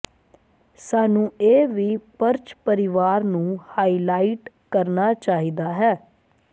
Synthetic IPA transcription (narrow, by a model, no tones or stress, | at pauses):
saːnũːeːʋiːpəɾt͡ʃpəɾɪʋaːɾnũːhaːiːlaːiʈ | kəɾnaːt͡ʃaːɦid̪aːɦɛː